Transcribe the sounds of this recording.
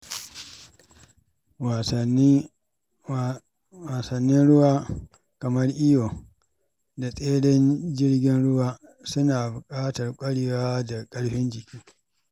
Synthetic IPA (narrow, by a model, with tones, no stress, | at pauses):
wa˨n˦ | waː˨sɐ˨nːɪ˦nɽʊ˦waː˦ | kɐ˨mɐ˦rʔɪ˦joː˨ | da˨sʼeː˦ɽɛ˦nd͡ʒɪ˦rɡʲɪ˦nɽʊ˦waː˦ | sʊ˦naː˨bʊ˨kʼaː˦tɐ˨rkʷʼɐ˦ɽɪ˨waː˦da˨kʼɐ˦ɽɸɪ˦nd͡ʒɪ˨kʲʰiː˦